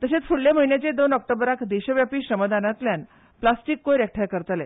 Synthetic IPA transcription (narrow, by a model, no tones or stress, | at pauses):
t̪əɕet͡sfʰuɽljaməɦinjat͡ɕed̪onɔk̚ʈəbɾakd̪eɕəʋjapiːɕɾəməd̪anat̪ljan | plasʈikːojɾjɛk̚ʈʰajkəɾt̪ale